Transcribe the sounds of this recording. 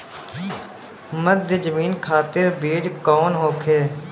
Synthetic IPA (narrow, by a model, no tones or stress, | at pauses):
məd̪ʱəd͡ʒəmiːnkʰaːt̪ɪɾbeːɖkɔːnɦoːkʰeː